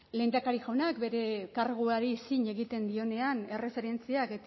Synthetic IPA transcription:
le̞jnd̪akaɾiʝawnakbe̞ɾe̞kaɾɣ̞uaɾisiɲe̞ɣit̪e̞nd̪io̞ne̞ane̞re̞fe̞ɾe̞nt͡siaket̪

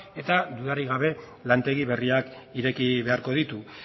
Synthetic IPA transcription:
e̞t̪ad̪uðaɾiɣ̞aβe̞ | lant̪e̞ɣiβe̞riakiɾe̞kiβe̞aɾko̞ðit̪u

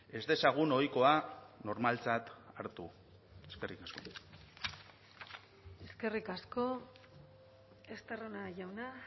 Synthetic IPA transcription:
e̞zd̪e̞saɣ̞uno̞jko̞ano̞ɾmalt͡sat̪aɾt̪u | e̞ske̞rikasko̞̰ | e̞ske̞rikasko̞ | est̪aronaʝawna

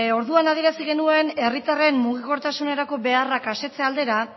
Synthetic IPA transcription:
o̞ɾðuanaðieɾasiɣe̞nue̞ne̞rit̪are̞mmuɣ̞iko̞ɾt̪asune̞ɾako̞be̞arakase̞t͡seald̪e̞ɾa

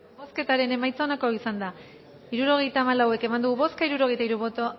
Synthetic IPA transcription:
boske̞t̪aɾe̞ne̞majt͡saonako̞isand̪a | iɾuɾo̞ɣ̞e̞jt̪aːmalawe̞ke̞mand̪uɣuβo̞skaiɾuɾo̞ɣ̞e̞jt̪aiɾuβo̞t̪o

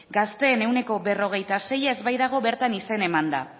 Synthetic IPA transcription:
ɡast̪e̞ːne̞wne̞ko̞be̞ro̞ɣ̞e̞jt̪ase̞jaezβajðaɣ̞o̞βe̞ɾt̪anise̞ne̞mand̪a̰

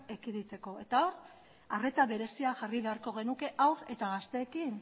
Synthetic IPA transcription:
ekiðit͡se̞ko̞e̞t̪ao̞ɾ | are̞t̪aβe̞ɾe̞siaʝariβe̞aɾko̞ɣ̞e̞nuke̞ʔawɾe̞t̪aɣast̪e̞ːkin

